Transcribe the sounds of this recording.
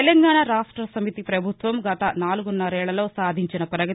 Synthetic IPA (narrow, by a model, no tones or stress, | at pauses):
elɐŋɡaːɳaɾaːʂʈɾɐsɐmit̪ipɾɐbʱut̪ʋɐmɡɐt̪ɐnaːluɡunːɐɾɛːɭːɐlo̞ːsaːd̪ʱiɲt͡ʃinɐpɾɐɡɐ